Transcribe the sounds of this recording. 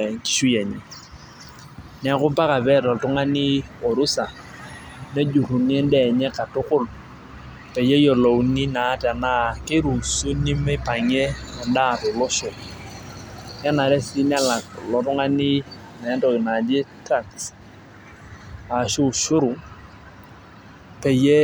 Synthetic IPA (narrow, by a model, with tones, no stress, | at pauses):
ŋ̩˨ki̥˨ʃu˦jɛ˨ɲɛ˨ | n˨˦a˦kʊ˦mpa˦ka˨bɛ˦lɔ˨tʊ˦ŋa˦nɪ˦o˨ɾu˦sa˨ | ne˦d͡ʒu˨ru˨ni˦e˦n˦dɛ˨ɲɛ˦ka˨tʊ˦kʊ˦l | pe˨je˦jo˨lo˨u˨ni˦na˨˦ta˨na˦kɪ˦ɾu˨su˦ni˦mɛ˦pa˨ŋe˦ɛ˨nda˦˨rʊ˨lɔ˦ʃʊ˨ | nɛ˦na˨ɾɛ˦si˦na˦la˨klɔ˨tʊ˦ŋa˦nɪ˦ | naː˨˦ntɔ˨kɪ˨na˨de˦ta˨ts | a˨ʃu˦˨ʃʊ˦ɾu˨ | pe˨je˦